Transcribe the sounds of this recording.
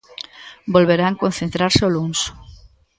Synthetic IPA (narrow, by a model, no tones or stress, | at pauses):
bolβeɾaŋkon̟θent̪ɾaɾseolunso̥